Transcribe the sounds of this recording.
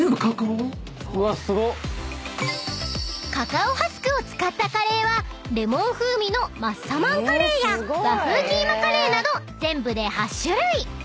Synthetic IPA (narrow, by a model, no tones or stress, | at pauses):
ẽmbɯ̟kaka | βasɨɡo | kakaohasɨ̥kɯ̟o̞t͡sɨ̥kat̪ːakaɾe̞ːβa | ɾe̞mõ̞ɰ̃ɸɯ̟ːmʲino̞masamãŋokaɾe̞ːjaɡaɸɯ̟ːkʲiːmakaɾe̞ːnad̪o̞zẽ̞mbɯ̟d̪e̞haɕːɯɾɯi